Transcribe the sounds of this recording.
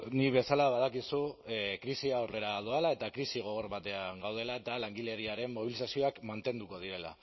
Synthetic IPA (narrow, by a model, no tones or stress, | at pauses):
niβe̞salaβaðakisukɾisiawre̞ɾað̞oalae̞t̪akɾisiɣ̞o̞ɣo̞ɾβat̪e̞aŋɡawð̞e̞lae̞t̪alaŋɡiʎe̞ɾiaɾe̞mːo̞β̞ilisasio̞akmant̪e̞nd̪uko̞ðiɾe̞la̰